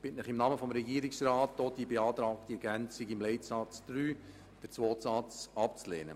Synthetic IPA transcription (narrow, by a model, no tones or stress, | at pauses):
b̥ɪtnɪχimnɑːməfɔmɾɛɡiːɾɪksrɑːtːoːd̥ibeɑːt̪ɾɑːkt̪iɛɡænsiɡimlɛɪtsɑt͡sd̪̥ɾyː | d̥əɾt͡sʋoːtsɑt͡sɑp̚t͡slḛːnə̰